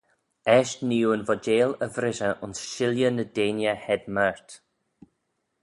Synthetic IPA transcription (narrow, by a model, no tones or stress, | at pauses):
ɛʃniːənvɔd͡ʒeːləvɾɪʃəʔʊnsʃɪljənədeːnjəhɛdmaɹt̪